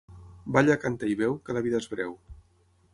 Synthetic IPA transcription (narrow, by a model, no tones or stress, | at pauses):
baʎakant̪aiβɛwkəlaβiðaezβɾɛw